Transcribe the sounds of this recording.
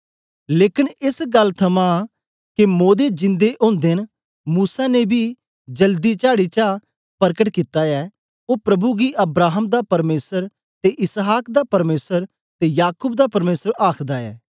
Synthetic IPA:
leːkɪnɪsɡɐlːt̪ʰɐmã | kemoːd̪ed͡ʒɪ̃nd̪eʔõːnd̪en | muːsanebʱi | d͡ʒɐld̪it͡ʃaːɽit͡ʃa | pɐɾkəʈkɪt̪aɛː | oːpɾɐbuɡiʔɐbɾaːɦəmd̪apɐɾmeːsəɾ | t̪eʔɪsɦaːkd̪apɐɾmeːsəɾ | t̪ejaːkʊbd̪apɐɾmeːsəɾaːkʰd̪aɛ̰ː

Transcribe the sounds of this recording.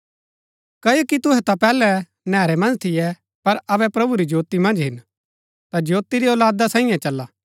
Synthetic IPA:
kɐjokit̪ʊɦɛt̪apɛːlɛ | nɛ̃ːɾɛmɐ̃nd͡ʒt̪ʰɪjɛ | pɐɾɐβɛpɾɐbuɾid͡ʒoːt̪imɐ̃nd͡ʒɦɪn | t̪ad͡ʒjoːt̪iɾiɔːlaːd̪asãːɪ̃jãt͡ʃɐlːa

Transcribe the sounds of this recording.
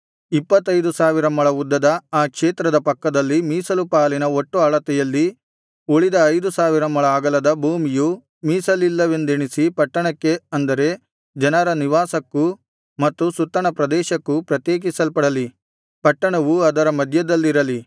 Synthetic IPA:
ipːɐt̪ːɐjd̪usaːʋiɾɐmɐɭɐud̪ːɐd̪ɐaːkʂeːt̪ɾɐd̪ɐpɐkːɐd̪ɐlːimiːsɐlupaːlinɐo̞ʈːuɐɭɐt̪ɛjɐlːi | oɭid̪ɐɐjd̪usaːʋiɾɐmɐɭɐaːɡɐlɐd̪ɐbʱuːmiju | miːsɐlilːɐʋe̞nd̪eɳisipɐʈːɐɳɐkːe̞ɐnd̪ɐɾe̞ | d͡ʒɐnɐɾɐniʋaːsɐkːu | mɐt̪ːusut̪ːɐɳɐpɾɐd̪ɛːʃɐkːupɾɐt̪jeːk̬isɐlpɐɽɐli | pɐʈːɐɳɐʋuɐd̪ɐɾɐmɐd̪ʱjɐd̪ɐlːiɾɐli

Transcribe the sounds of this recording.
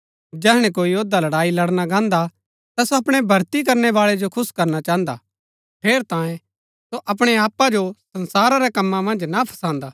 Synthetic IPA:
d͡ʒɛːɦɽ̃ẽk̬oːijoːd̪alɐɽaːilɐɽnaɡãːnd̪a | t̪asoɐpɽ̃ɛbʱɐɾt̪ik̬ɐɾnɛʋaːɭɛd͡ʒokʰʊskɐɾnat͡ʃaːɦə̃nd̪a̰ | pʰeːɾt̪ãːjẽ | soʔɐp̬ɽ̃eaːpːad͡ʒosɐ̃nsaːɾaɾɛkɐmːãmɐ̃nd͡ʒnapʰɐ̥sãːnd̪aː

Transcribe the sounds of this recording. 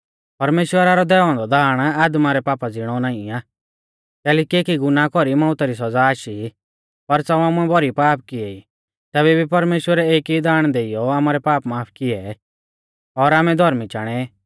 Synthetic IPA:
pɐɾmeːʃwəɾaɾɔd̪ɛːɔ̃nd̪ɔd̪ʱaːɽ̃aːd̪maɾɛpaːpad͡zɪɽ̃ɔnaːĩaː | t̪ɛːlikieːkiɡʊnakɔɾimãːʊt̪aɾis̬ɐd͡zaːʃi | pɐɾt͡sɐamʊ̃ɛ̃bʱɔɾipaːp̚kɪɛi | t̪ɛːβɛbipɐɾmeːʃwəɾɛeːkid̪aːɽ̃d̪eijɔaːmaːɾɛpaːpmaːpʰkɪɛ | ɔɾaːmɛd̪ʱɔɾmit͡ʃaːɽ̃ɛ

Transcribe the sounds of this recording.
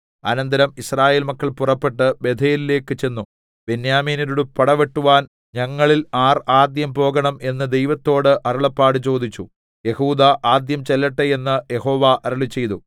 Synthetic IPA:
ɐ̰nɐnd̪ɐɾɐmisraːje̞ːlmɐkːɐɭpurɐpːe̞ʈːɨbe̞d̪ʰʱeːlile̞ːkːɨt͡ɕe̞nːu | b̥enjaːmiːniɾuɽupɐɽɐʋe̞ʈːuʋaːn | ɲɐŋːɐɭilaːraːd̪jɐmpo̞ːɣɐɳɐme̞nːɨd̪e̞jʋɐt̪ːo̞ːɽɨʔɐɾuɭɐpːaːɽɨt͡ɕo̞ːd̪it͡ɕːu | je̞huːd̪aʔaːd̪jɐmt͡ɕelːɐʈːeje̞nːɨje̞ho̞ːʋaʔɐɾuɭit͡ɕːe̞jt̪u

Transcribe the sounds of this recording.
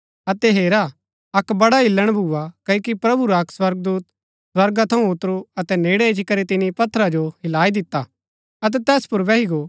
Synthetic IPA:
ɐt̪ɛɦeːɾa | ɐkbɐɽaɦɪlːəɽ̃bʱuakɐjkipɾɐbuɾaɐkswɐɾɡ̚d̪uːt̪ | swɐɾɡat̪ʰɐũʊt̪ɾuɐt̪ɛneːɽɛt͡ʃikɐɾit̪ɪnipɐt̪ʰːəɾad͡ʒoɦɪlaːid̪ɪt̪ːa | ɐt̪̬ɛt̪ɛːspʊɾbɛɦiɡo

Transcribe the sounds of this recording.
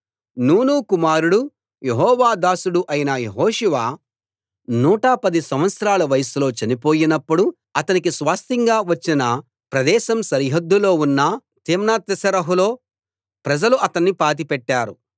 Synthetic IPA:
nuːnuːkumaːɾuɽu | jeɦɔːʋaːd̪aːsuɽuʔɐjinɐjeɦoːʃuʋaː | nuːʈaːpɐd̪isɐmʋɐt̪sɾaːlɐʋɐjɐsulo̞ːt͡ʃɐnipo̞ːjinɐpːuɽu | ɐt̪ɐnik̬isʋaːst̪iŋɡaːʋɐt͡ʃːinɐ | pɾɐd̪ɛːʃɐmsɐɾiɦɐd̪ːulo̞ːunːɐ | t̪eːmnaːt̪ːɐsɐɾɐɦulo̞ː | pɾɐd͡ʒɐluʔɐt̪ɐnːipaːt̪̬ipɛʈːaːɾṵ

